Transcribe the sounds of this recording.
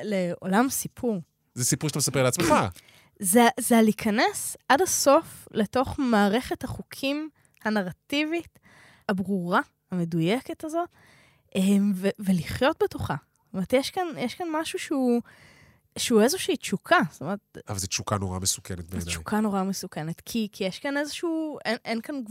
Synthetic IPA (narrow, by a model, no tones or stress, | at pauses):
leo̞lamsipʰuʁ | zɛsipuʁʃat̪amesapeʁleat͡smeχa | zezealikʰɐnesʔadaso̞fleto̞χmaːʁe̞χe̞thaχukʰim | hanaʁativit | abʁuʁa | ame̞dujeketazo̞t | ʔemveveliχjo̞t̚betoχassst̪omeʁt̪jeʃkanjeʃkanmaʃuʃeu | ʃeuezoʃiːt͡ʃukʰast̪omeʁet̪̚avalzet͡ʃukanoʁa̰mesu̥kenet̪̚bet͡ʃu̥kʰanoʁamesukenetkʰikʰijeʃkane̞zeʃuːenʔenkan